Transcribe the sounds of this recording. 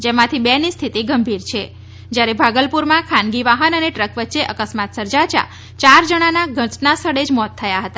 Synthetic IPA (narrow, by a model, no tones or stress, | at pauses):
d͡ʒemãt̪ʰibɛnist̪ʰit̪iɡəmbʱiɾt͡ʃʰe | d͡ʒjaɾebʱaɡəlpuɾmãkʰãnɡiʋaɦənəneʈɾəkʋətːʃeʔəkəsmat̪səɾd͡ʒat͡ʃa̰ | t͡ʃaɾd͡ʒəɽ̃anaɡʱə̃t͡ʃnast̪ʰəɽed͡ʒmɔt̪ʰːəjaɦət̪a